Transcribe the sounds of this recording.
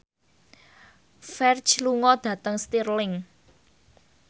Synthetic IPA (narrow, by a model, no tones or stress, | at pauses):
fɛrd͡ʒluŋɔd̪̥ä̤t̪əŋst̪irlɪŋ